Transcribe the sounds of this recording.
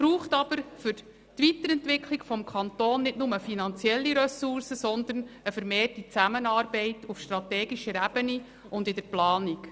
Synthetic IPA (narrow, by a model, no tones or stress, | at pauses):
b̥ɾuːχtɑb̥əɾfʏɾ | tʋitəɾɛntʋɪkʰlikfɔmkʰɑnt̪oːnːɪtnʊməfinɑnt͡sjɛlːiɾœsuɾsəsɔnd̪ənəfəɾmeːrtit͡sæmənɑːɾbɛɪtufʃtrɑt̪ɛːɡiʃəɾæb̥əni | ʊndɪdəɾplɑːnik